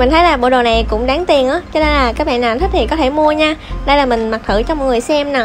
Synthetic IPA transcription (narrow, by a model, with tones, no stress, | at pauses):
mï˨˩ŋ̟t̪ʰə˨˦jlaː˨˩ɓo̰˧˨ɗo˨˩na˨˩jkʊ̰˧˥wŋ͡mɗaː˨˦ŋt̪i˨˩ənʔaː˨˦t͡ɕɔ˧ne˧nlaː˨˩kaː˨˦˥k̚ɓa̰˧˨naː˨nt̪ʰk̚t̪ʰi˨˩kɔ˨˦t̪ʰe˧˩mu˧əɲaː˧ɗə˧jlaː˨˩mï˨˩ŋ̟ma˨˩k̚t̪ʰɨ̰˧˨t͡ɕɔ˧mɔ˨˩ŋɨ˨˩əjsɛ˧mna˨˩